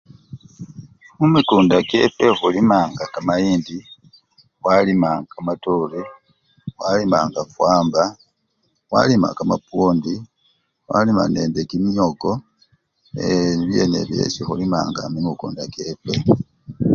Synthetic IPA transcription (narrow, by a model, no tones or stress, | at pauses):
mumikuːndakḛpexulimaːŋɡakamajiːndi | walimaŋkamatoli | walimaːŋɡafwaːmba | wa̰lima̰kamapoːndi | wa̰lima̰neːndekimjoɡo | eniβje̞ːne̞̰βje̞̰ːsixulima̰ːŋɡa̰mimukṵːndakepe